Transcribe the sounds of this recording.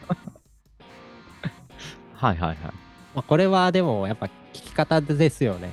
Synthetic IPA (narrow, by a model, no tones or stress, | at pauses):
haiɦa̰iɦa̰imako̞ɾe̞βad̪e̞mo̞japːakʲi̥kʲi̥kat̪ad̪e̞sɨjo̞ne̞